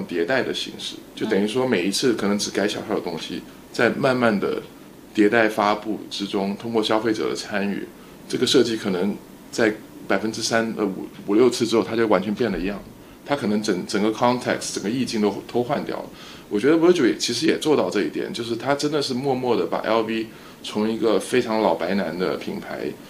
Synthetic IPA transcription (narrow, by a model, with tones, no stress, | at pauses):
t̪jɛ˧˥t̪a˥˩ɪd̪ə˩ɕḭ˧˥ŋʂɻ̩˥˩t͡ɕjo˥˩ʊt̪ə˨˩ni˧˥ʂwɔ˥me˨˩ɪi˧˥t͡sʰɹ̩˥˩kʰɤ˨˩nɤ˧˥ŋʈ͡ʂɻ̩˨˩ka˥ɪɕjɑ̰˨ʊʂɑ˥˩ʊd̪ə˩t̪ʊ˥ŋɕḭ˨ | t͡sa˥˧ɪma˥˧nma˥˩nd̪ə̰˩ | t̪jɛ˧˥t̪a˥˩ɪfa˥pu˥˩ʈ͡ʂɻ̩˥ʈ͡ʂʊ˥ŋt̪ʰʊ˥ŋkwɔ˥˩ɕjɑ˥ʊfe˥˩ɪʈ͡ʂɤ̰˨˩d̪ə̰˦t͡sʰa˥ny̰˨˩ | ʈ͡ʂɤ˥˩ɡə˩ʂɤ˥˧t͡ɕi˥˩kʰɤ˨˩nɤ˧˥ŋ | t͡sa˥˩ɪpa˨˩ɪfə˥nʈ͡ʂɻ̩˥sa˥nə̰˧˩˨u˨˩ljo˥˧ʊt͡sʰɹ̩˥˩ʈ͡ʂɻ̩˥xo˥˩ʊt̪ʰt͡ɕo˥˩ʊwa˧˥nt͡ɕʰɛ˧˥mpjɛ˥˩nlə˩i˧˥jɑ˥˩ŋ | t̪ʰa˥kʰɤ˨˩nɤ˧˥ŋʈ͡ʂə˨˩ŋʈ͡ʂə˨˩ŋɡə˦kʰɑ˥ŋt̪ʰɛ̰˥˩ktʈ͡ʂə˨˩ŋɡə˦i˥˧t͡ɕi˥˩ŋt̪o˥ʊt̪ʰo˥ʊxwa˥˧nt̪jɑ̰˨˩ʊlə˦ | wɔ˨˩t͡ɕɥɛ˧˥d̪ə˧wt͡ɕjo˧˥˩jɛ˨˩t͡ɕʰi˧˥ʂ̬ɻ̩˧˥jɛ˨˩t͡swɔ˥˧t̪ɑ˥˧ʊʈ͡ʂɤ˥˧i˥˩t̪jɛ̰˨˩nt͡ɕjo˥˧ʊʂ̬ɻ̩˥˩t̪ʰa˥ʈ͡ʂə˥nd̪ə˨ʂɻ̩˥˧mwɔ˥˧mwɔ˥˩d̪ə˩pa̰˨˩ʔɛ̰˥lpi˥ | t͡sʰʊ˧˥ŋi˧˥ɡə˧fe˥ɪʈ͡ʂʰɑ˧˥ŋlɑ˨˩ʊpa˧˥ɪna˧˥nd̪ə̰˧pʰḭ˨˩ŋpʰa˧˥ɪ